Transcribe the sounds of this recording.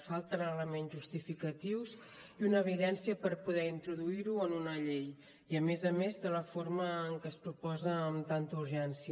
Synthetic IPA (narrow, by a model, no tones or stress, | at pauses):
falˠt̪ənələmenzʒust̪ifikət̪iwz | iunəːβiðɛnsiəpəɾpuð̞ɛint̪ɾuðuiɾuənunəʎej | iəmezəmezðələfoɾməːŋkəspɾupɔzəːmt̪ant̪uɾʒɛnsjə